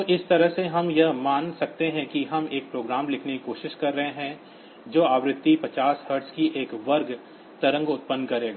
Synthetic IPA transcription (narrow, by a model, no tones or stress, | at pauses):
oʔɪst̪ɐɾəɦseɦɐmjɐɦmaːnsɐk̚t̪eɦɛ̃kiɦɐmeːk̚pɾoːɡɾaːmlɪkʰnekikoːʃɪʃkɐɾːɐɦeɦɛ̃ | d͡ʒoːaːʋɾɪt̪ːipɐt͡ʃaːshɐɾɖskiʔeːkʋɐɾɡ | t̪ɐɾə̃ŋɡʊt̪̚pənːkɐɾeːɡaː